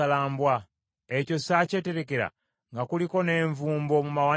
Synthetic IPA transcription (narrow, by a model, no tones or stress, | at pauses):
alaːmbwa | eco̞saːce̞te̞ɾe̞ke̞ɾa̰ | ŋɡakuliko̞ne̞ːɱvuːmbo̞mumawa